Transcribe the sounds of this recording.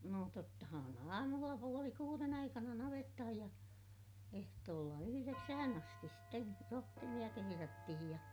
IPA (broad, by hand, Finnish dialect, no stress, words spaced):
noˑ totːɑhɑn ɑːmulːɑ puoli kuːren ɑikɑnɑ nɑʋetːɑhɑj jɑ ehtoːlːɑ yhyreksæhæn ɑstis sten rohtimij̆ɑ keherætːihij jɑ